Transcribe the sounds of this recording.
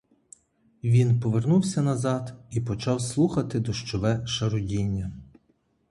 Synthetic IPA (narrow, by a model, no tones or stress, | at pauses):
ʋʲinpɔʋernuwsʲɐnɐzɑd̪ipɔt͡ʃɑwslˠuxɐt̪ɪd̪ɔʃt͡ʃɔʋɛʃɐɾʊdʲinʲːɐ